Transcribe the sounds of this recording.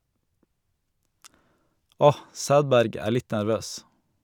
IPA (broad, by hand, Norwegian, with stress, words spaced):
ˈɔh ˈsæːdˌbæɾɡ ˈæː ˈɭɪt næɾˈʋøːs